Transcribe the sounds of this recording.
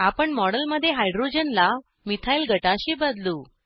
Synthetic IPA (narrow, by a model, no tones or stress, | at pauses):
apəɳmɔɽəlməd̪ʱːjeɦajɖɾod͡ʑənla | mit̪ʰajlɡʱəʈaɕiːbəd̪luː